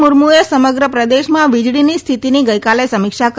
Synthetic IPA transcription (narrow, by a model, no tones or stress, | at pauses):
muɾmuesəməɡɾəpɾəd̪eʃmãʋid͡ʒɽinist̪ʰit̪iniɡəjkalesəmɪkʃak